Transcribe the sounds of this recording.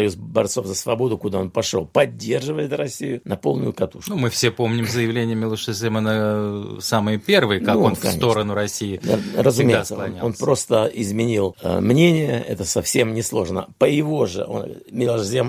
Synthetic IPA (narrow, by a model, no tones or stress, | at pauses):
ɐjuzbɐrt̪so̞fzəsvɐbo̞d̪ʊkʊd̪ao̞npɐʂo̞̰lˠpɐdʲːe̞rʐɨvəjɪt̪rɐsʲijʊnɐpo̞lˠnʊjʊkɐt̪uʂk̪umɨfsʲepo̞mnʲɪmzəjɪvlʲenʲɪjəmʲɪlˠoʂəzʲemənəsamɨjəpʲervɨjəkakkonfsɐ̰snʲet̪o̞ɾənʊɾɐsʲijɪ̰rəzʊmʲeɪsəlɐnʲaonpɾo̞st̪əɪzmʲɪnʲilˠmnʲenʲɪjəɛ̰t̪əsɐfsʲe̞mnʲɪslˠo̞ʐnə̰pəɪvo̞ʐɨ̰ʔo̰n | mʲɪlˠoʂzʲem